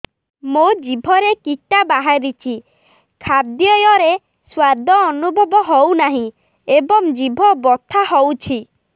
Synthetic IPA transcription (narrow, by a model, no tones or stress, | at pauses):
mod͡ʒibʱɔɾekiʈabaɦaɾit͡ʃʰi | kʰab̚d̪jɔjɔɾe | swad̪ʱɔːnubʱɔbɔɦownaɦĩ | ebɔŋd͡ʒibʱɔbɔt̪ʰaɦɔwt͡ʃʰi